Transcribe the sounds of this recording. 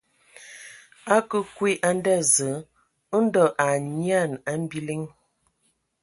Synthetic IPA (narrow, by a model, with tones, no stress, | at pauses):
a˦kə˦kwi˦ʔa˦n˦dɛ˦˨zə˨˦ | ə˦n̩˦dɔ˨ʔa˨ɲi˦a˦˨na˦m˦bi˦li˦ŋ